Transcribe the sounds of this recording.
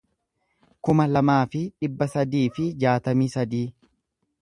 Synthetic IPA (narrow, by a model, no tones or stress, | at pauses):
kʊmɐlɐmaːfɪᶑɪbːɐsɐd̪iːfɪd͡ʒaːt̪ɐmiːsɐd̪iː